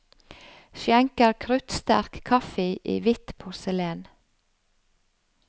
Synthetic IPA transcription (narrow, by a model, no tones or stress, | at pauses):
ʃjæŋkəɾkʰɾʉt̪st̪æ̰ɾkkʰɑfɪʔḭːʋɪt̪pʰʊɾsəleːn